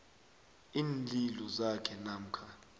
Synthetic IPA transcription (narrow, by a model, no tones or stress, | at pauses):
iːnlilɔzakʰɛnam̩kʰa